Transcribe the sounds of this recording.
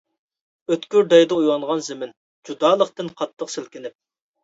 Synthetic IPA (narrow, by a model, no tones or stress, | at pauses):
øt̪kʲyɾd̪ɛjd̪ɨujwɑŋʁɑnzɪmɪn | d͡ʒud̪ɑːlˠəqt̪ɨnqʰɑt̪ʰːəqsɪlkʲɪnɪp̚